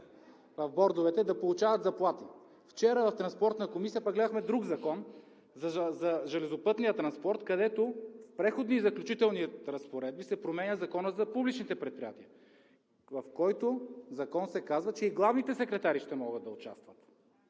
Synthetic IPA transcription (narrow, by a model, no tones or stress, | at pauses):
vɐvbɔɾd̪ovɛt̪ɛd̪ɐpolˠut͡ʃavɐt̪zɐplˠat̪i | ft͡ʃɛɾəvɐft̪ɾɐnspɔɾt̪nəkomisijəpaɡlɛd̪əxmɛd̪ɾuɡzɐkɔn | zɐzɐʒɛlɛzʊpɤt̪nijət̪ɾɐnspɔɾt̪kɐd̪ɛt̪ofpɾɛxod̪nizɐklʲut͡ʃit̪ɛlˠniɾɐspoɾɛd̪̚bisɛpɾomɛnʲəzɐkɔnəzɐpublit͡ʃnit̪ɛpɾɛt̪pɾijat̪iə | vɐfkɔjt̪ozɐkɔnsɛkazvɐt͡ʃɛiɡlˠavnit̪ɛsɛkɾɛt̪aɾiʃt̪ɛmɔɡəd̪̚d̪ɐʊt͡ʃa̰st̪vɐt̪